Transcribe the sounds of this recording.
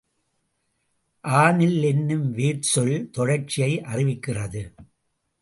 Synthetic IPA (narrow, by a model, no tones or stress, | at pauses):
ʔaːnɪlːɛnːɯmʋeːʈsɔɭt̪ɔɻɐɾt͡ʃːɪjɐɪʔɐrɪʋɪkːɪrɐðɯ